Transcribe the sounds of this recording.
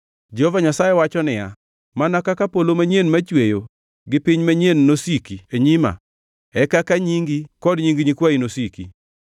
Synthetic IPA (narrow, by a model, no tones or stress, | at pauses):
d͡ʒeovaɲasajewat͡ʃɔnɪja̰ | manakakapolomaɲenmat͡ʃwejo | ɡɪpiɲmaɲenːosikieɲima̰ | ɛkakaɲiŋɡikɔdɲiŋɡiɲikwainosikḭ